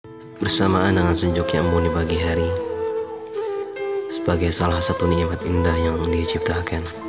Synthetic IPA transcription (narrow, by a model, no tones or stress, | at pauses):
b̥ərsamaːndəŋansəɲd͡ʒʊkɲamːunibaɡiɦaɾi | səbaɡajsalahsat̪uniamat̪indahjaŋdiat͡ʃip̚t̪akan